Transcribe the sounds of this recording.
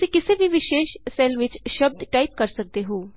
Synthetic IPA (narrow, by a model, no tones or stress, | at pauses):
sĩːkɪseːbʱiʋɪʃeːʃsɛːlʋɪt͡ʃʃəb̚d̪ʈaːip̚kəɾsək̚d̪eːɦoː